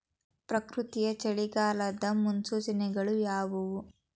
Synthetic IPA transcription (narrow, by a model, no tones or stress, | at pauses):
pɾɐkɾut̪ijɐt͡ʃɐɭiɡaːlɐd̪ɐmunsuːt͡ʃɐnɛɡɐɭujaːʋuʋu